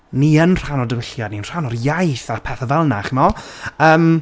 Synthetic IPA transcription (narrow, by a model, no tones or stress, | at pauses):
niənr̥anɔdəvɪɬjadniənr̥anɔrjajθapʰɛθəvɛlˠnaχimɔəːm